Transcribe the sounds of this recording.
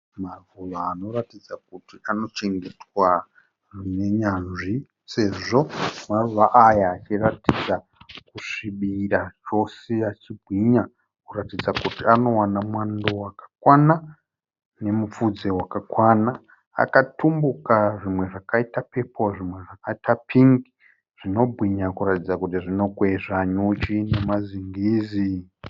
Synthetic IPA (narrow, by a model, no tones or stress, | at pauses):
maruʋaːno̞ratid͡zakutiano̞t͡ʃe̞ŋɡe̞twa | rne̞ɲanʐi | se̞ʐo̞maruʋaʔajaːt͡ʃiratid͡za | kuʂiɓirat͡ʃo̞seat͡ʃibʱwiːɲa | kuratid͡zakutiano̞wanamwandowakḁkwana | ne̞mup͡fud͡ze̞wakakwana̰ː | katumbukaʐimwe̞ʐakaitape̞pʰo̞ʐimwe̞ʐakaitapʰiŋɡi | ʐ̥ino̞bʱwiɲakuratid͡zakut̬iʐino̞kweʐaɲut͡ʃine̞maziŋɡiːzi